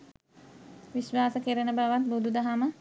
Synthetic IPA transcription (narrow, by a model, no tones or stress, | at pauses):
ʋiʃʋaːsəkeɾənəbaʋat̪̚bud̪ud̪aɦamə